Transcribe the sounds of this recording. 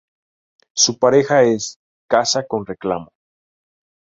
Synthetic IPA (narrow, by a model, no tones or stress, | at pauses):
supaɾe̞xae̞s | kasako̞nre̞kla̰mo